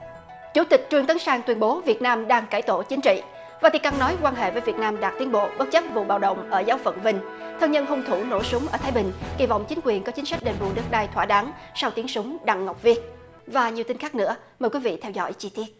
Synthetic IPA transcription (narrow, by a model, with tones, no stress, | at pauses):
t͡ɕu˧˩t̪ï˨˩k̟̚t͡ɕwɨ˧əŋt̪ə˨˦nsaː˧ŋt̪wi˧ənɓo˨˦vi˨˩ət̚naː˧mɗaː˧ŋkaː˧˩jt̪o̰˧˩t͡ɕï˨˦ŋ̟t͡ɕḭ˧˨ | vaː˨˩t̪i˨˩əka˧˩ŋnɔ˨˦jkwaː˧nɦḛ˧˨vəː˨˦jvi˨˩ət̚naː˧mɗaː˨˩t̪i˨˦ənɓo̰˧˨ɓə˦˥t̚t͡ɕə˦˥p̚vṵ˧˨ɓa̰ː˧˨wɗə̰˧˨wŋ͡mʔəː˧˩zaː˨˦wvə̰˧˨nvï˧˩ŋ̟t̪ʰəː˧˩ŋɲə̰˧˨nɦʊ˧ŋ͡mt̪ʰu˧˩no̰˧˩sʊ˨˦ŋ͡mʔəː˧˩t̪ʰaː˨˦jɓï˨˩ŋ̟kḭ˧˩vɔ̰˧˨wŋ͡mt͡ɕi˨˦ŋ̟kwi˨˩ənkɔ˨˦t͡ɕï˨˦ŋ̟sa˦˥k̟̚ɗe˨˩nvṵ˧˨ɗɨ˦˥k̚ɗaː˧jt̪ʰwaː˧˩ɗaː˨˦ŋsa˧wt̪i˨˦əŋsʊ˨˦ŋ͡mɗa̰˧˨ŋːa˨˩wk͡p̚vi˦˥ət̚ | vaː˨˩ɲi˨˩əwt̪i˧nxaː˦˥k̚nɨ̰˧˥ə | məː˨˩jkwi˨˦vḭ˧˨t̪ʰɛ˧wzɔ̰˧˥jt͡ɕi˧t̪i˦˥ət̚